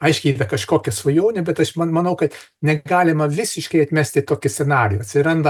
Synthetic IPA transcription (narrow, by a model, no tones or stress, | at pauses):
ɐɪʃʲkʲɪidɐkɐʃkoːkʲɛsʋɐjoːnʲɪbʲɛt̪ɐʃmɐmɐnɐʊkɐt̪ | nʲɛɡɑːlʲɪmɐʋʲɪsʲɪʃkɐɪɐt̪ʲmʲæsʲt̪ʲɪt̪oːkʲɪsʲɛnɑːɾʲɪjuːɐt̪ʲsʲɪɾɐnd̪ɐ